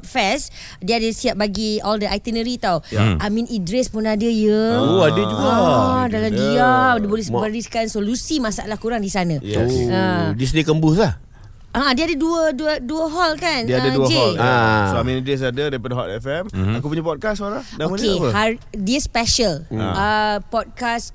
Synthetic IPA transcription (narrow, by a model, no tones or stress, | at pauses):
t̚fɛs | diəadəsiap̚baɡiɔldəʔajt̪ənəɾit̪awʔamĩnʔidɾɛspunadəjəoadəuɡadaladiadəbolɛsbəɾiskansolusimãsa̰ʔlahkuɾaŋdisanãjɛədisdikəmbuslah | aadiəadaduəduəduəɦɔlkandiəadauəkeɔasoamĩnidɾɛs̬adədaipadaɦɔtɛfɛmakupuɲãpɔd̚kasoɾaŋdãomənkehadiəspɛʃələpɔd̚kas